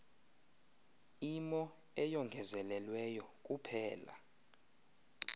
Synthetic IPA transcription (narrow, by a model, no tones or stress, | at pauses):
imɔ | ɛjɔŋɡʱɛzɛlɛlwɛjɔk̬ʼupʰɛːla̰